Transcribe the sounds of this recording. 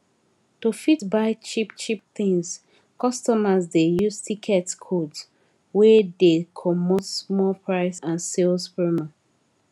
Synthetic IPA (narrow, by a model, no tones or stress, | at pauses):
tufitbaɪt͡ʃipt͡ʃip̚θĩŋs | kɔstɔmazdejuztʰikʰɛtkʰods | wɛdekʰɔmɔtsmɔlpʰɹaɪsãnselspɹima